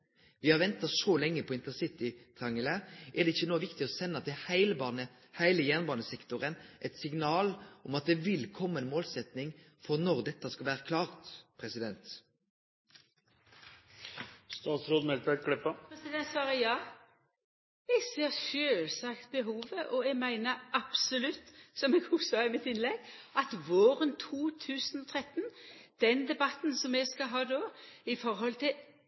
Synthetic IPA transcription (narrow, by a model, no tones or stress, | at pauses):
ʋɪhɑʁʋɛnt̪ɑsɔlɛŋːəpʰɔɪnt̪əʁsɪt̪ɪt̪ʰʁɑŋːələʔɛʁd̪ɛɪçːənoːʋɪkt̪ɪɔsɛnːɑt̪ʰɪlhæɪlbɑnə | hæɪləjæːnbɑːnəsɛkt̪ʊʁənʔɛt̪sɪŋnɑːlɔmɑt̪̚d̪ɛʋɪlkʰɔmːɑɛnmoːlsɛt̪nɪŋ | fɔʁnɔʁd̪ɛt̪ːɑskɑlʋæːʁəkʰlɑːʁt̪pʰʁɛsɪd̪ɛnt̪ | st̪ɑːt̪sɾoːd̪mɛlt̪̚bækʰɽɛpːɑpɾɛsɪd̪ɛnt̪sɑːʁəjɑː | ɛɡsiɑʃøːlsɑkt̪bəɦuːʋəʔɔɛɡmæɪnəɑb̥sʊlʉt̪ːsɔmɛɡʊsɔɑɪmɪt̪ɪnlɛɡʔɑt̪ʋoːʁənt̪ʰuːt̪ʰʉːsənɔt̪ʰʁɛt̪ːnd̪̥ɛnd̪ɛbɑt̪n̩sɔmɛɡskɑɦɑːd̪oːɪfɔɾɦɔlt̪ʰɪ